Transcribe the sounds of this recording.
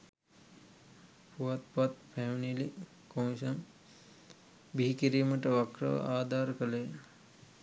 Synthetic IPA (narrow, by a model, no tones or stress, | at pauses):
puɐt̪pat̪pʰɛmnili | komʃɐn | biɦikiɾiːməʈəʋakɾɐ̰ʋə̰aːd̪ʱaːɾkəleː